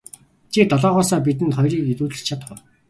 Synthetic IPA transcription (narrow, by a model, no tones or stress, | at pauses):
t͡ɕʰit̪ɔɮɔːʁɔːsɔːp̬it̪̬ɘ̆nt̪χɔjriːkit̪uːɮɘ̥̆t͡ɕʰat̪̆χʊ